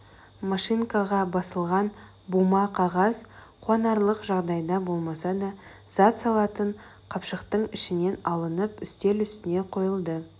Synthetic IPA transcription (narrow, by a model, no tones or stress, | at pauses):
mɑʃiŋkɑʁɑbɑsəlˠʁɑn | bumɑqʰɑʁɑzqʰuɑnɑɾlˠəqʒɑʁd̪ɑjd̪ɑbo̞lˠmɑsɑd̪ɑ | z̥ɑt̪sɑlˠɑt̪əɴ | qʰɑpʃəqt̪əɴɪʃɪne̞nɑlˠənəpʏst̪e̞lʏst̪ɪne̞qʰo̞jəlˠd̪ə